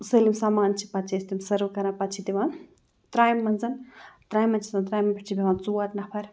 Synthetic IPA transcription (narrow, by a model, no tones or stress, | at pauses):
səlimsaːmaːnt͡ʃʰi̥pɐt̪̚t͡ʃʰist̪imsɐɾukɐɾãnpɐt̪t͡ʃʰid̪iʋan | t̪ɾaːjmːɐnzɐnt̪ɾaːjmɐnt͡ʃʰi̥sɐnt̪ɾaːjmɐpʰiʈt͡ʃʰibʱʲiʋaːnt͡suat̪nɐpʰɐɾ